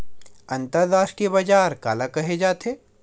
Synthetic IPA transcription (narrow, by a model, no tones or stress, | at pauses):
ɐ̃nt̪əɾd̪aːʃkebad͡ʒaːɾka̰ːlakɐɦed͡ʒaːt̪eː